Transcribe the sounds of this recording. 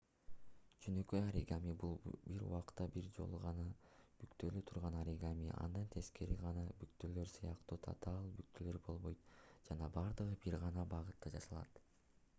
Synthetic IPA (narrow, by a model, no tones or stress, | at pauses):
d͡ʒønø̞køjaɾḭɡamibulˠbiɾṵwɑqt̪ːɑbiɾd͡ʒo̞̰lˠuʁɑnɑb̥ykt̪ø̞lyt̪ʰuɾʁɑnɑɾiɡamḭʔɑ̰nd̪ɑnt̪ʰe̞ske̞ɾiʁɑnɑbykt̪ølø̞ɾsɯjɑqt̪uːt̪ʰa̰t̪ɑlˠbyk̚t̪ʰølø̞ɾbo̞lˠβo̞jt̪d͡ʒɑnɑbɑɾd̪ɯʁɯbiɾʁɑnɑbɑʁɯt̪ːɑd͡ʒɑsɑlˠɑ̰t̪